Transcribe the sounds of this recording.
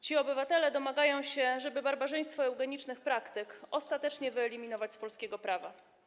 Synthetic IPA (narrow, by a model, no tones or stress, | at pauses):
t͡ɕiɔbɘvat̪ɛlɛd̪ɔmaɡajɔ̃w̃ɕɛʐɛbɘbaɾbaʐɛj̃st̪fɔɛwɡɛɲit͡ʂnɘxpɾakt̪ɘkɔst̪at̪ɛt͡ʂɲɛvɘɛlʲimʲin̪ɔvat͡ɕspɔlskʲɛɡɔpɾava